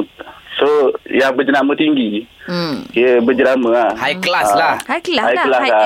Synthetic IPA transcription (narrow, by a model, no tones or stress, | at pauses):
sojaŋbəd͡ʒənamət̪iŋɡi | əbəd͡ʒəɾaməahajklaslaajkəlasa